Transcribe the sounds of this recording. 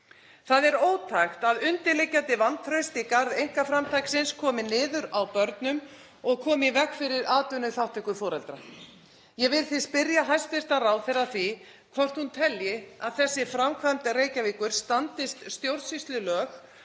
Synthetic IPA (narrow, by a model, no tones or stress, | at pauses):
θaðɛɾoːwt̪ʰajxt̪aðʏnt̪ɪlɪcːant̪ɪvant̪ʰɾœɥst̪ɪkaɾðejŋ̥kafɾamt̪ʰajksɪnskʰɔːmɪnɪːðʏɾawpœɾt̪nʏm | ɔɣkʰɔːmɪvɛkfɪɾɪɾaːt̪ʏnʏθawht̪ɛhkʏfɔːɾɛlt̪ɾa | jɛvɪlθɪspɪɾjaɦajst̪fɪst̪arawθɛɾaθvi | kʰvɔr̥t̪hunt̪ʰɛljɪaðθɛsːɪfɾamkʰvamt̪ɪreːjcaviːkʏɾ̥st̪ant̪ɪst̪st̪jowɾðsist̪lɪlœːx